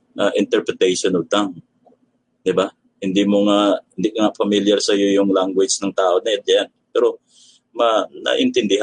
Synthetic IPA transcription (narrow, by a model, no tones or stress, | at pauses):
ʔɐʔɪnt̪ɛɾpɾɛt̪ɛjʃonʊɡ̚t̪aŋ | d̪ɪba | hɪnd̪imoŋaʔʔhɪnd̪ikɐŋaʔfɐmiljɐɾsɐjojʊŋlaŋɡwɪd͡ʒnɐŋt̪aːʔonɐɐt̪̚janpɛːɾo̞ | mɐnɐ̰ʔɪnt̪ɪnd̪ɪha